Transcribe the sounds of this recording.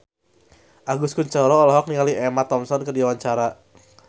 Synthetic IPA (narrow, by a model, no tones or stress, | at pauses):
ʔaɡuskuɲt͡ʃəɾɔːlɔɦɔk̚niŋaliɛmat̪ɔmsɔnkədiawaɲt͡ʃaɾa